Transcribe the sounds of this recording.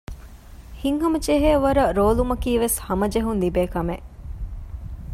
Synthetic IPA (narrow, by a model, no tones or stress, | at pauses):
hiŋɦɐmɐd͡ʒeɦeːʋɐɾɐɾoːlumɐkiːʋeshɐmɐd͡ʒeɦunlibeːkɐmeʔ